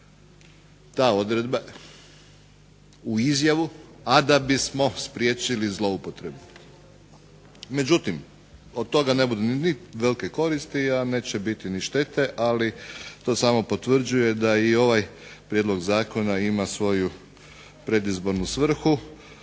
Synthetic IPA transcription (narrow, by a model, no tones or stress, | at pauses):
t̪aːo̞d̪ɾe̞d̪ba | uizjaʋuad̪abismo̞spɾje̞ːt͡ʃilizlˠo̞upo̞t̪ɾe̞bu | me̞d͡ʒut̪im | od̪̚t̪o̞ɡane̞bud̪uniniʋe̞likeko̞ɾist̪iane̞ːt͡ɕebit̪iniʃt̪e̞t̪e̞ʔalit̪o̞ːsaːmo̞po̞t̪ʋr̩d͡ʒuje̞d̪aio̞ʋajpɾjed̪lˠo̞ɡzaːko̞naimasʋo̞ju | pɾe̞d̪izbo̞ɾnusʋr̩xu